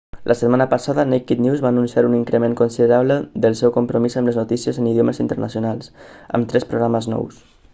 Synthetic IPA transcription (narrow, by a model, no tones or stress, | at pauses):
lʔəsət̪̚manəpəsaðənekit̪nizβaːnunsijaɾuniŋkɾəmeŋkunsiðəɾaβləðəlˠsɛwkumpɾumizəmləznut̪isiəzəniðjoməzint̪əɾnʔə̰sjunalˠsə̰mt̪ɾɛspɾuɣɾaməznɔ̰ws